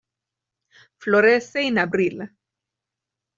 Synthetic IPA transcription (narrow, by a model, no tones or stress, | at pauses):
floɾeseinabɾil